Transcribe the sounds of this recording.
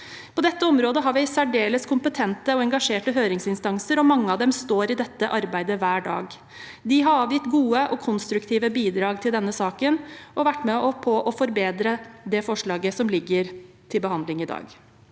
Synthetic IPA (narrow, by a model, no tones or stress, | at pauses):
pʰɔd̪ɛt̪ːəɔmɾoːd̪əɦɑɾʋɪɪsæɖeːləskʰʊmpət̪ʰɛnt̪əɔɛŋɡɑʂeːʈəɦøːɾɪŋsɪnst̪ɑŋsəɾɔmɑŋːəɑd̪ɛmst̪oːɾɪd̪ɛt̪ːəʔɑɾbæɪd̪əʋæːɖɑ̰ːɡ | d̪ɪɦɑɾɑːʋjɪt̪ɡuːəʔɔkʰɔnst̪ɾʉkt̪ʰiːʋəbiːd̪ɾɑːɡt̪ʰɪld̪ɛnːəsɑːkənʔɔʋæʈːmɛɔpʰɔʔɔfɔɾbeːd̪ɾəd̪ɛfɔʂɭɑːɡəsɔmlɪɡːəɾ | t̪ʰɪlbəɦɑnd̪lɪŋɪd̪ɑ̰ːɡ